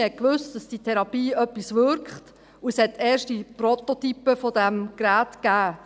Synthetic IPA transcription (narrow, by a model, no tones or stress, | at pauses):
hɛt̚kʋɵstd̥ɑsd̥itʰɛɾɑpiːœpːisʋʏɾkχt | uəshɛt̪ːɛːʃtipɾɔt̪ɔt̪ypəfɔdæmkɾæːtkæː